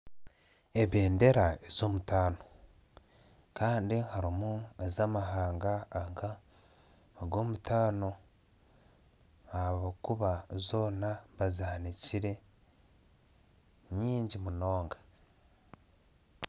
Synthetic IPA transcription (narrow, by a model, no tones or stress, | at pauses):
e̞βe̞ːnde̞ɾaez̥o̞ːmutaːno̞ | kaːndihaɾimuezamaɦaːŋɡaːŋka | oɡo̞ːmutaːno̞ | aβokuβazo̞ːnaβazaːniciɾe̞ | ɲiːɲɟimuno̞ːŋɡḁ